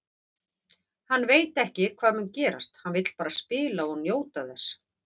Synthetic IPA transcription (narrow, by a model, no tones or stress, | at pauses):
hanːveːjt̪ɛhcɪkʰv̥aːðmʏncɛːɾa̰st̪hanvɪt̪l̥paːɾaspɪːlaɔɣnjoːwt̪aθɛs